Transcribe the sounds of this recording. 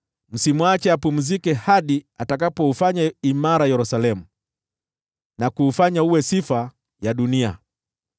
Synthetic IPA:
m̩simwat͡ʃɛapum̩zikɛhaɗiatakapɔufaɲaimaɾajɛɾusalɛmu | nakuːfaɲauwɛsifa | jaɗunia̰

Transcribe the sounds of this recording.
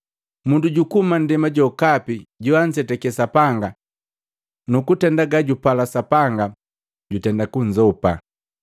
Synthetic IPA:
munduɟukuman̩dɛmaɟɔkapiɟuan̩sɛtɛkɛsapaŋɡa | nukutɛndaɡaɟupalasapaŋɡa | ɟutɛndakuɲ̩d͡ʒɔpa

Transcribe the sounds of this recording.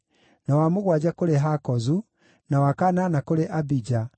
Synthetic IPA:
nawamoɣwad͡ʑakoɾeɦakɔzu | nawakananakoɾeʔabid͡ʑa

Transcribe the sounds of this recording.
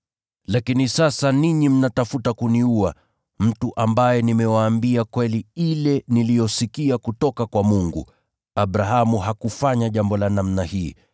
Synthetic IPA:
lakinisasaniɲim̩natafutakuniua | m̩tuʔambajɛnimɛwaːmbiakwɛliilɛnilijɔsikiakutɔkakwamuŋɡṵ | aɓɾaɦamuɦakufaɲaʄambɔlanamnahiː

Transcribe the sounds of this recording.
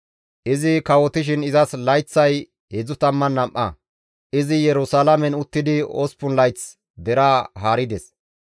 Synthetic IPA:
ʔɪzɪkɐwɔt̪ɪʃ̬ɪnɪzɐslɐjt͡sːɐj | hɛzʊt̪ɐmːɐnːɐmʔɐ̰ | ʔɪzɪjɛɾʊsalɐmɛnʊt̪ːɪd̪ɪo̰spʊnlɐjt͡s | d̪ɛɾaɦaːɾɪd̪ɛs

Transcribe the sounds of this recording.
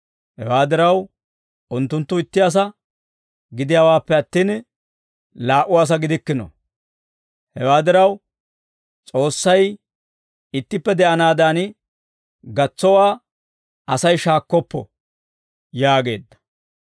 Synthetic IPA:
hɛ̰waːd̪ɪɾɐw | ʊnt̪ːʊnt̪ːʊɪt̪ːɪjas̬ɐ | ɡɪd̪ɪjaːwaːpːɛɐt̪ːiːn | laːʔʊwaːs̬ɐɡɪd̪ɪkːɪnɔ̰ | hɛwaːd̪ɪɾɐw | t͡sʼo̞ːsːɐj | ɪt̪ːɪpːɛd̪ɛʔɐnaːd̪aːn | ɡɐt͡sːɔwaː | ɐsɐjʃaːkːɔpːɔ̰ | jaːɡe̞ːd̪ːɐ̥

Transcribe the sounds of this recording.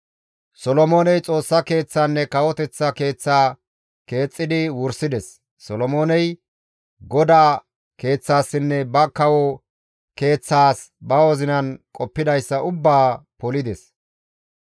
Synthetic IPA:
sɔlɔmo̞ːnɛjt͡sʼo̞ːsːɐke̞ːt͡sːaːnːɛkɐwɔt̪ɛt͡sːɐke̞ːt͡sːaː | ke̞ːt͡sʼːɪd̪ɪwʊɾsɪd̪ɛsː | ɔlɔmo̞ːnɛj | ɡɔd̪aː | ke̞ːt͡sːaːsːɪnːɛbɐkɐwɔ | ke̞ːt͡sːaːs | bɐwɔzɪnɐnkʼɔpːɪd̪ɐjsːɐʊbːaːpɔlɪd̪ɛs

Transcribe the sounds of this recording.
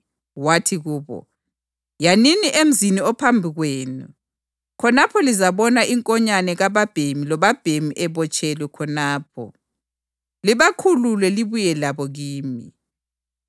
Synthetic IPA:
watʰiɣuːβɔ̰ | janiniʔem̩ziniɔpʰambʱiɣweːnṵ | kʰɔnapʰɔlizaβɔnaʔiŋkʼɔɲanɛɣaβab̥ʱemilɔβab̥ʱemiʔɛβɔt͡ʃʼɛlwɛkʰɔnaːp̚ʰɔ̰ | liβakʰululɛliβujɛlaβɔɣiːmi

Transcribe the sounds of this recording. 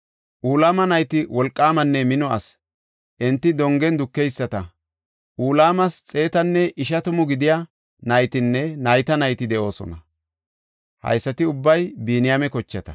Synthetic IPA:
ʔuːlaːmɐnɐjt̪ɪwɔlkʼːaːmɐnːɛmɪnɔɐs | ʔɛnt̪ːɪd̪ɔŋɡɛnd̪ʊkːɛjsːɐt̪ɐ | ʔuːlaːmɐst͡sʼe̞ːt̪ɐnːɛʔɪʃɐt̪ʊmʊɡɪd̪ɪja | nɐjt̪ɪnːɛnɐjt̪ɐnɐjt̪ɪd̪ɛʔo̞ːsɔ̰nɐ | hɐ̰jsːɐt̪ɪʊbːɐjbiːnɪjaːmɛkɔt͡ʃːɐt̪ɐ̥̰

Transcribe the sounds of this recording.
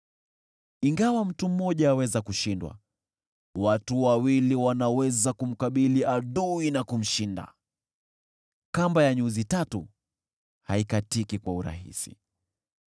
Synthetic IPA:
iŋɡawam̩tum̩mɔʄaːwɛzakuʃindwa̰ | watuwawiliwanawɛzakum̩kaɓiliaɗuinakum̩ʃinda̰ | kambajaɲuzitatu | haikatikikwauɾa̰ɦḭsḭ

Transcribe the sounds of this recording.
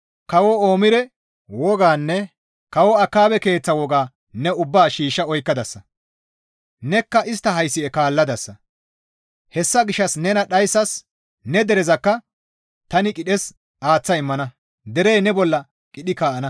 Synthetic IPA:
kɐwɔoːmɪɾɛ | wɔɡaːnːɛ | kɐwɔɐkːaːbɛke̞ːt͡sːɐwɔɡaː | nɛʊbːaːʃiːʃːɐɔjkːɐd̪ɐsːɐ | nɛkːɐʔɪst̪ːɐɦɐjsːɪɛkaːlːɐd̪ɐsːɐ | hɛsːɐɡɪʃːɐsnɛnɐɗɐjsːɐs | nɛd̪ɛɾɛzɐkːɐ | t̪ɐnɪkʼɪɗɛs | ʔaːt͡sːɐɪmːɐnɐ | d̪ɛɾejnɛbɔlːɐ | kʼɪɗɪkaːʔɐnɐ

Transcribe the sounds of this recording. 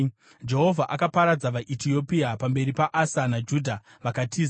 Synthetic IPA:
d͡ʒe̞ɦo̞vʱaʔakapaɾad͡zaʋaʔitio̞piapambe̞ɾipaʔasanad͡ʒudʱa | ʋakatʰiːz

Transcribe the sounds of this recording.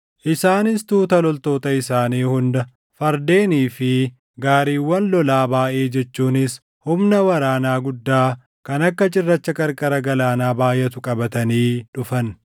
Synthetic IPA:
ʔɪsaːnɪst̪uːt̪ɐlɔlt̪o̞ːt̪ɐɪsaːniːhʊnd̪ɐ | fɐɾd̪e̞ːniːfɪ | ɡaːɾiːwːɐnlɔlaːbaːʔe̞ːd͡ʒɛt͡ʃːuːnɪs | hʊmnɐwɐɾaːnaːɡʊd̪ːaː | kɐnɐkːɐt͡ʃʼɪrːɐt͡ʃːɐkʼɐɾkʼɐɾɐɡɐlaːnaːbaːjɛt̪ʊkʼɐbɐt̪ɐniːᶑʊfɐn

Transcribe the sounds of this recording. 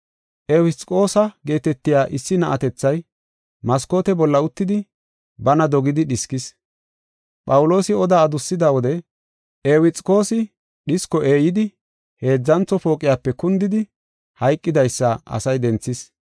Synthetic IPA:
ʔewɪt͡sʼkʼo̞ːsɐɡe̞ːt̪ɛt̪ːɪjaːʔɪsːɪnɐʔɐt̪ɛt͡sːɐj | mɐsko̞ːt̪ɛbɔlːɐʊt̪ːɪd̪ɪ | bɐnɐd̪ɔɡɪd̪ɪɗɪskɪs | pʼɐwʊlo̞ːsɪɔd̪aːd̪ʊsːɪd̪awɔd̪ɛ | ʔewɪt͡sʼkʼo̞ːsɪ | ɗɪskɔʔe̞ːjɪd̪ɪ | he̞ːd͡zːɐnt͡sːɔfo̞ːkʼːɪjaːpːɛkʊnd̪ɪd̪ɪ | hɐjkʼːɪd̪ɐjsːɐʔɐ̰sɐjd̪ɛnt͡sːɪs

